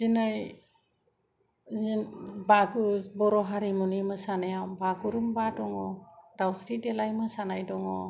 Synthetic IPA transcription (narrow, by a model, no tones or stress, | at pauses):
zinaj | zbaɡubɔɾɔɦaɾimunimɯsanajabaɡuɾumbadɔŋɔɾawsɾitelajmɯsanajdɔŋɔ̰